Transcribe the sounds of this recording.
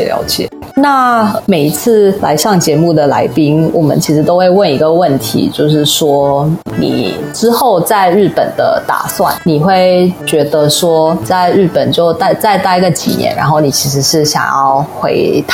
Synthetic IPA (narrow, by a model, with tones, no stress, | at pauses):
ljɑ̰˧˥ʊt͡ɕɛ̰˨˩˦ | na˥˩me˨˩ɪi˧˥t͡s̩ʰ˥˩la̰˧˥ɪɕɑ˥˩ŋt͡ɕjɛ˧˥mu˥˩d̪ə˩la˧˥ɪpi˥ŋwʔɔ˨˩mə̰˦nt͡ɕʰi˧˥ʂɻ̩˧˥t̪o˥ʊxwe˥˧ɪwə˥˩ni˧˥ɡə˧wə˥˩nt̪ʰḭ˧˥t͡ɕjo˥˧ʊʂɻ̩˥˩ʂwɔ˥nḭ˨˩ | ʈ͡ʂɻ̩˥xo˥˧ʊt͡sa˥˧ɪɻ̩˥˩pə˨˩nd̪ə̰˦t̪a̰˨˩swa̰˥˨˩nni˨˩xwe˥˩ɪt͡ɕɥɛ˧˥d̪ə˧ʂwɔ˥t͡sa˥˧ɪɻ̩˥˩pə˨˩nt͡ɕjo˥˧ʊt̪a˥˧ɪt͡sa˥˧ɪt̪a˥˩i˧˥ɡə˨t͡ɕḭ˨˩njɛ̰˧˦nɻa̰˧˥nxo˥˩ʊni˨˩t͡ɕʰi˧˥ʂ̬ɻ̩˧˥ʂɻ̩˥˧˩ɕjɑ̰˨˩ŋjɑ̰˥˩ʊxwḛ˧˥ɪt̪ʰ